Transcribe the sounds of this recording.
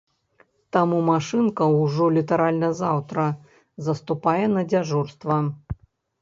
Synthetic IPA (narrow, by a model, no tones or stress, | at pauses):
t̪amumaʂɨnkɐwʐɔlʲit̪ɐɾalʲnɐzawt̪ɾɐ | zɐst̪upajɛnɐd͡zʲaʐurst̪vɐ